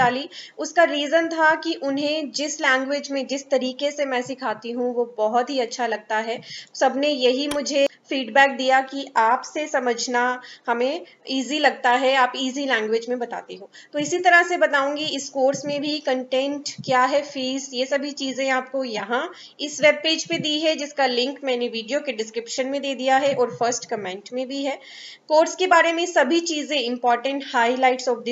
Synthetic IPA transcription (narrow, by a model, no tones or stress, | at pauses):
aːliʊskaɾiːzənt̪ʰakiʔʊnɦẽd͡ʒɪslɛ̃ːŋɡʋeːd͡ʒmẽd͡ʒɪst̪ɐɾiːkesemɛ̃ːsɪkʰaːt̪iɦũʋobɔɦʊt̪ɦiɐtːʃʰalɐɡ̚t̪aɦɛːsɐbʱnejɐɦimʊd͡ʒʱefiːɖbɛːk̚d̪ijakiʔaːpsesɐməd͡ʒʱnahɐmẽ | iːzilɐɡ̚t̪aɦɛaːpiːzilɛ̃ːŋɡʋɪːd͡ʒmẽbɐt̪a̰ːt̪iɦoːt̪oɪsit̪ɐɾəɦsebɐt̪aːũːŋɡiɪskoːɾsmẽbʱikɐ̃ɳʈɛ̃ɳʈkjaːɦɛfiːzjesɐbʱit͡ʃiːzẽaːp̚kojɐɦã | ɪsʋeːb̚peːd͡ʒpẽd̪iːɦɛd͡ʒɪskalɪ̃ŋkmɛ̃ːneʋiːɖijokeɖɪskɾɪpʃənmẽd̪eːd̪ijaɦɛʔɔːɾfəɾsʈkɐmɛ̃ːɳʈmẽbʱiɦɛː | koːɾskebaːɾemẽsɐbʱit͡ʃiːzẽɪ̃mpɔːɾʈə̃ɳʈhaːilaːɪʈsɔːfd̪ɪ